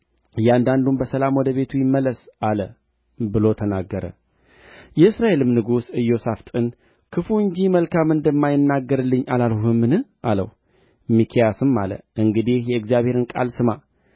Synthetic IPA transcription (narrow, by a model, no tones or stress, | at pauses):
jɛand̪and̪umbəsəlamwɔd̪əβe̞t̪ʰujɪmːəlːəsalə | bɨlo̞t̪ʰənaɡːəɾə̰ | jɛɨsɾaʔe̞lɨmnɨɡusɨjːo̞saft̪ʼɨn | kʰɨfuɨɲd͡ʒiməlkʰamɨnd̪ɨmːajɪnːaɡːəɾɨlːɨɲːʔalalhɨmːɨnɨhʔalə̰w | mikʰijasɨmːa̰lə̰ʔɨŋɡɨd̪ihjɛɨɡzijaβhe̞ɾɨnkʼa̰lsɨma